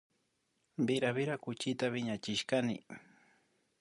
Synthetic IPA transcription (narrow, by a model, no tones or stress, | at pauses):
bɪɾaβɪɾakʊt͡ʃɪt̪aβɪɲat͡ʃɪʃkanɪ